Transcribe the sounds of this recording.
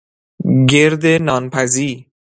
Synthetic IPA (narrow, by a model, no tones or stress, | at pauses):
ɡeɾd̪enɒːnpʰæziːɾ